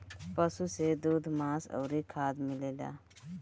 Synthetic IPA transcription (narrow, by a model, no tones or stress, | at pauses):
pəsused̪uːd̪ʱmãːsə̰ːɾikʰaːd̪mɪleːla̰ː